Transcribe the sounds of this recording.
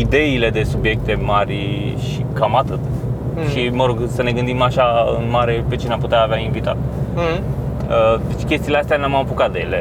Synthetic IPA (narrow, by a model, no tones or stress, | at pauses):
id̪e̞ile̞d̪e̞subje̞k̚t̪e̞marʲ | ʃikamat̪ɨt̪ | ʃiməɾo̞ɡsəne̞ɡɨnd̪imaʃaɨ̰nmaɾe̞pet͡ʃeneamput̪eaːveaiɱvit̪a̰t̪̚ | əd̪et͡ʃkʲe̞st̪ileast̪eanamapukat̪̚d̪ejḛle